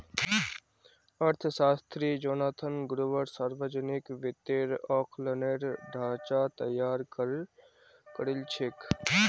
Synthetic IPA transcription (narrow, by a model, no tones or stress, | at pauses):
əɾt̪ʰsaːst̪ɾid͡ʒoːnaːt̪ʰənɡʊɾuʋəɾsaːɾʋəd͡ʒənɪkʋɪt̪eːɾɔːkʰləneːɾɖʱaːt͡ʃat̪əjːaːɾkəɾ | kəɾɪlt͡ʃʰek